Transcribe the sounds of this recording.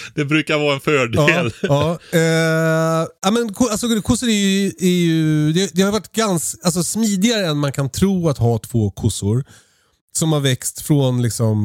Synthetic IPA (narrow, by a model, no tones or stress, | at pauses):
d̪̥ɛbɾʉ̟ːkaɾvɑːɛnfœːɖɑːlɑː | amɛnkʰʊalsɔkʰʊsːʊɾæɾjɵæɾjɵd̪ɛd̪ɛhajʏvaʈːɡansals̬ɔsmiːd̪ɪɡaɾəɛnmankʰant̪ʰɾuːat̪ɦɑːt̪ʰv̥oːkʰʊsʊɾ | sɔmhaɾvɛkst̪fɾonlɪksɔm